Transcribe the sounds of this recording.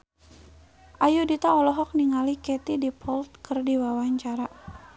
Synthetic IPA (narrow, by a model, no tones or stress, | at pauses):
ʔajudit̪aɔlɔɦɔk̚niŋalikɛt̪idipʰɔlt̪̚kərdiwawaɲt͡ʃaɾa